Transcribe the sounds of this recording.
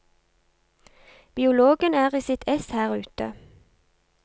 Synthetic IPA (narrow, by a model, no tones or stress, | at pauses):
b̥ɪʊloːɡənæːʁiːsɪt̪ʰɛshæːʁʉːt̪ə̰